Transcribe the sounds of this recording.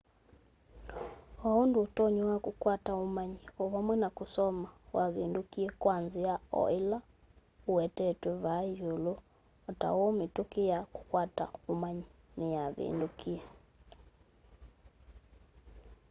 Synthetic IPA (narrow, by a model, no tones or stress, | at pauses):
waundutɔɲwwakukwataumaɲiɔβamwɛnakusɔmawaβindukiɛkwanziaɔ̰ila | uwɛtɛtwɛβaʒulu | ɔta̰wɔmitukijaku̥kwata̰umaɲi | nɛjaβḭndukiɛ